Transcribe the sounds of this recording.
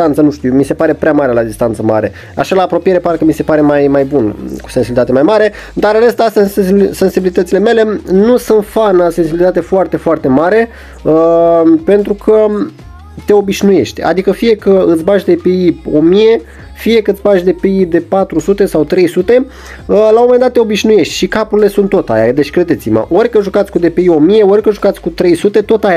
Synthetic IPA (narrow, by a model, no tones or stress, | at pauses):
ant̪sənuʃt̪iumise̞paɾe̞pɾeamaɾe̞lad̪ist̪ant̪səma̰ɾe̞ | a̰ʃalaːpɾo̞pije̞ɾepaɾekəmise̞paɾe̞majmajbunku̥sensibilit̪at̪emajmaɾe̞ | d̪aɾɾe̞st̪assensibilit̪ət̪sile̞me̞le̞nusɨnt̪fanase̞nsibilit̪at̪e̞foart̪e̞foart̪e̞maɾe̞ | pe̞nt̪ɾukʰə | t̪e̞o̞biʃnuje̞̰ʃt̪ʲa̰d̪ikəfije̞kəɨt̪sʲbaʃʲd̪e̞peio̞mije̞ | fije̞kət̪ʲbaʃʲd̪e̞peid̪e̞pat̪ɾusut̪e̞sawt̪ɾe̞jsut̪e̞ | lamo̞mend̪at̪ːeo̞biʒnuje̞ʃt̪ʲʃikapuɾile̞sunt̪ːo̞t̪a̰ja̰d̪e̞t͡ʃʲkɾe̞d̪e̞t̪sima̰ʔo̞rʲkəʒukat̪sʲkud̪e̞peio̞mije̞o̞rʲkəʒukat̪sʲkut̪ɾe̞jsut̪e̞t̪o̞t̪aja